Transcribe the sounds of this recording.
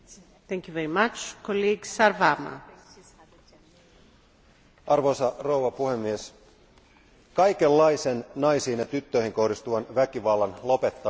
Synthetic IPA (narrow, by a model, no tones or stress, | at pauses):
θɛ̃ŋkjuveɾimat͡ʃkʰoliɡsaɾvama̰ | ɑrʋo̞jsɑro̞uʋɑpuhe̞mːies | kɑjke̞lːɑjsenːɑjsiːnjɑt̪yt̪ːøjhiŋko̞hdist̪uʋɑnʋækiʋɑlːɑnlo̞pet̪ːɑ